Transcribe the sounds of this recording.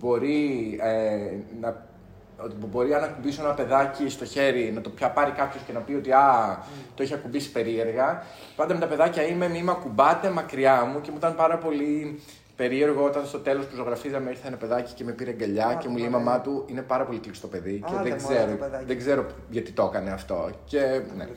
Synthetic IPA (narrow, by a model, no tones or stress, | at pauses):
bo̞ɾienɐ | obo̞ɾiɐnɐkubisoenɐpe̞ðɐcist̪o̞çe̞ɾinɐt̪o̞pçɐpɐɾikɐpço̞scenɐpio̞t̪iɐt̪o̞içɐkumbisi̥pe̞ɾie̞ɾɣɐ | pɐnd̪ɐmet̪ɐpe̞ðɐcɐime̞mimɐkubɐt̪e̞mɐkɾiɐmucemuit̪ɐnpɐɾɐpo̞li | pe̞ɾie̞ɾɣo̞o̞t̪ɐnst̪o̞t̪e̞lo̞spuzo̞ɣɾɐfizɐmeiɾθɐenɐpeðɐci̥ce̞mepiɾeŋɡɐʎɐcemuleimɐmɐt̪uine̞pɐɾɐpo̞lit̪lkst̪o̞pe̞ðiceðeɡzeɾoðeɡze̞ɾo̞ʝɐt̪it̪o̞kɐne̞ɐft̪o̞̰ce̞ne